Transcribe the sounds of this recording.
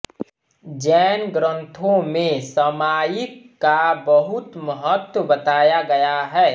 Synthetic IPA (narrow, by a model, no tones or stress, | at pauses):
d͡ʒɛːnɡɾə̃nt̪ʰõmẽsəmaːjɪkːabəɦʊt̪məɦət̪wəbət̪aːjaɡɐjaɦɛː